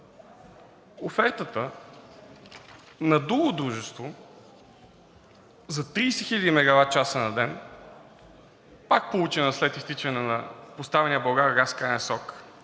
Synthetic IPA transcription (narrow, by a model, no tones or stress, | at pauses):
ofɛɾt̪ət̪ə | nɐd̪uɡod̪ɾuʒɛst̪vo | zɐt̪ɾiːsɛxilʲɐd̪imɛɡɐvat̪̚t͡ʃasənɐd̪ɛn | pak̚polˠut͡ʃɛnəslɛt̪ist̪it͡ʃɛnɛnɐpost̪avɛniəbɐɡaɡaskanɛsɔk